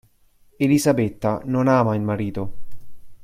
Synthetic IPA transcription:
elizabet̪ːanonaːmailmaɾiːt̪o

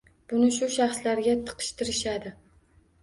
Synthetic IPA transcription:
b̥ʊnɪʃʊʃaχslaɾɡʲat̪ʰɨ̥qʰɨ̥ʃt̪ʰɪɾɪʃad̪ɪ

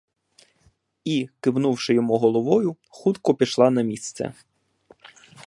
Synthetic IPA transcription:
ikɪwnuwʂɪjɔmuɦɔlˠɔʋɔjʊ | xut̪kɔpʲiʃlˠɑnɐmʲist̪sɛ̰

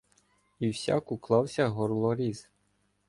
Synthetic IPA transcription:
iwsʲa̰kuklˠɑwsʲɐɦɔrlˠɔɾʲiz̥

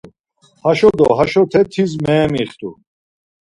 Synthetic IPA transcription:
haʃɔd̪ɔ̰ɦaʃɔt̪ʰɛt̪ʰizmɛːmiχt̪ʰʼṵ

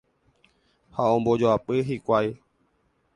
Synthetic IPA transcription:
haõmbod͡ʒoapɨɦikʷwai

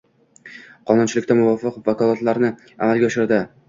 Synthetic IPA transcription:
qʰɒnʊnt͡ʃʰɪlɪkʲt̪amʊvɒfɪqvakɒlˠat̪laɾnɪ | a̰malˠɡʲaʃɪɾd̪ɪ

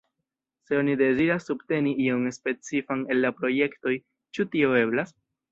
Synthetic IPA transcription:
se̞o̞nide̞ziɾasːubte̞niio̞nspe̞t͡sifane̞lːapɾo̞je̞kto̞j | t͡ʃutio̞e̞blas

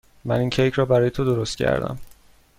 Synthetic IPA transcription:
mæniːncʰejcʰɾɒːbæɾɒːje̞t̪ʰod̪oɾost̪̚cʰæ̰ɾd̪æ̰m

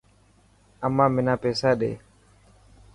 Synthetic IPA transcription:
amːaːmɪnaːpeːsaːɗḛː

